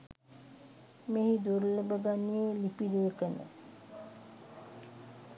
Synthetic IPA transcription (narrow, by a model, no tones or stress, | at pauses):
meɦid̪uɾləbəɡanijelipiɾuəkənə̰